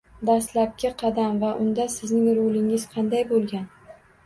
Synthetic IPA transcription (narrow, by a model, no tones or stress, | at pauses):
d̪aslap̚kʲɪqʰɑd̪amvaʔʊnd̪asɪznɪŋɾolɪŋɪzqʰɑnd̪ajbolˠɡʲan